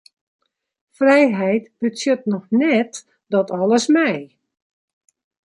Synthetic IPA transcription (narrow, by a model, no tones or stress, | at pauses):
frɛjɦɛjtb̥ətsjətnɔxnɛt | dɔtʰɔləsmɛj